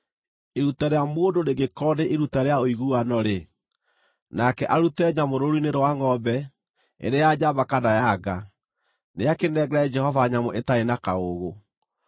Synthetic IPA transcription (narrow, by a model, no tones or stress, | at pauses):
eɾutaɾeamwondoneɡekɔdeʔeɾutaɾeaoiɣuanɔɾe | nakɛʔaɾutɛɲamoɾoɾineɾowaŋɔbɛ | ḛɾejad͡ʑaβakadajaɡa | neakenɛɡɛɾaɛd͡ʒɛhɔvaɲamoʔetaenakaoɣo